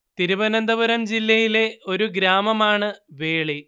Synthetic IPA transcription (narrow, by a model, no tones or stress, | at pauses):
t̪iɾuʋɐnɐnd̪ɐʋɐɾɐmd͡ʑilːɐjile̞o̞ɾuɡɾaːmɐmaːɳɨʋeːɭi